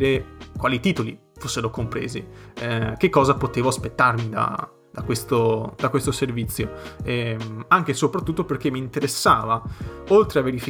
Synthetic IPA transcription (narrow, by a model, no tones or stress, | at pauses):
ɾekwaːlit̪iːt̪olḭ | fosːeɾokompɾḛːzḭɛk̟ekːɔːzapot̪eːvoaspet̪ːarmid̪a̰ | d̪̥akwest̪od̪akwest̪oservit̪sːjoɛaŋk̟esopɾat̪ːut̪ːoperk̟emːiːnt̪eɾesːaːvaolt̪ɾeavːeɾifi